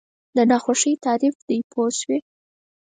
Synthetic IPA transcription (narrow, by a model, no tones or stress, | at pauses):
d̪ənɑxaʂəjt̪ɑɾifd̪̥əjpʰozwi